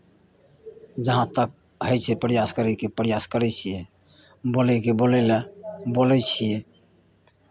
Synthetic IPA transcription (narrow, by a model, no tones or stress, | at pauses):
d͡ʒəɦãt̪ək̚ | ɦəjt͡ʃʰɛpəɾijaskəɾɛkepəɾijaskəɾɛt͡ʃʰije | bolɛkebolɛlabolɛt͡ʃʰije